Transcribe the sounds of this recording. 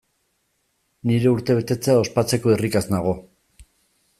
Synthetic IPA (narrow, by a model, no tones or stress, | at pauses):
niɾe̞uɾt̪e̞β̞e̞t̪e̞t͡seao̞spat͡se̞ko̞erikaznaɣ̞o̞